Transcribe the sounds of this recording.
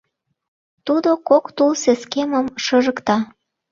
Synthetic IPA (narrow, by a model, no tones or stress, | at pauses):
t̪ud̪okokt̪ulseskeməmʃɤʒəkt̪ɑ